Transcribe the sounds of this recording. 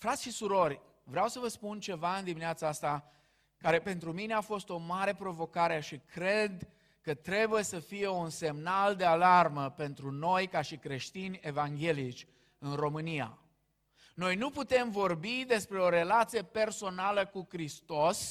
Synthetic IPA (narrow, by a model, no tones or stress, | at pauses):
fɾat̪sʃisuɾo̞rʲ | vɾeawsəvəspunt͡ʃe̞vaɨnd̪imineat̪saast̪a | kaɾe̞pe̞nt̪ɾumine̞afo̞st̪o̞maɾe̞pɾo̞vo̞kaɾe̞ʃikɾe̞d̪ | kət̪ɾe̞buje̞səfije̞unse̞mnald̪e̞alarməpe̞nt̪ɾuno̞jkaʃikɾe̞ʃt̪inʲe̞vaŋɡʲe̞lit͡ʃʲ | ɨnro̞mɨnija̰ | no̞jnuput̪e̞mvo̞rbid̪e̞spɾe̞o̞ɾe̞lat̪sije̞pe̞rso̞naləkukɾist̪os